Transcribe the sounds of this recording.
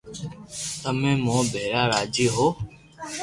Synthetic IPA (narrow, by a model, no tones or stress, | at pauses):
t̪əmẽːmõːbʱeːɾaːɾaːd͡ʒeːɦoː